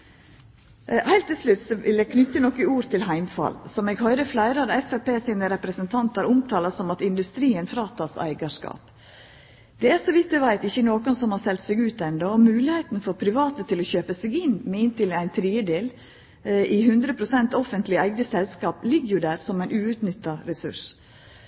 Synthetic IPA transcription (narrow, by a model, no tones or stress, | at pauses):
hæɪlt̪ʰːɪlslʉt̪sɔʋɪljækʰnʏt̪ːənɔkːəuːɾt̪ʰɪlhæɪmfɑ̰lsɔmɛːɡhœʏɾəflæɪɾɑd̪ɑɛfæpeːsɪnəɾɛpɾəsənt̪ʰɑnt̪hɑɾʊmt̪ʰɑːlɑsɔmɑt̪ɪnd̪ʉst̪ɾiːənfɾɑːt̪ʰɑːsæ̰ɪɡɑʂkɑ̰ːp | d̪̥ɛæɾsɔʋɪt̪̚ːd̪ɛʋæɪt̪ɪçːənoːkɔnsɔmhɑsɛlt̪sɛɡʉːt̪ɛnd̪ɔɔmʉːlɪheɪt̪n̩fɔɾpʰɾɪʋɑːt̪ət̪ʰɪlɔçøːpəsɛɡɪnmɛɪnt̪ɪlæɪnt̪ʰɾiːəd̪eːl | ɪhʉnd̪ɾəpʰɾʊsɛnt̪ɔfənt̪lɪæɪɡnəsɛlskɑːplɪɡəjʊd̪æːɾsɔmæɪnʉːʉt̪nʏt̪ːɑɾɛsʉ̰ʂ